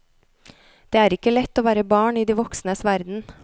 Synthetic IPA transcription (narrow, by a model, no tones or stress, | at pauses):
d̪̥eːæːɾɪkəlɛt̪ːoːʋæːɾəbɑːɳiːd̪iːʋɔksnəsʋæɾd̪n̩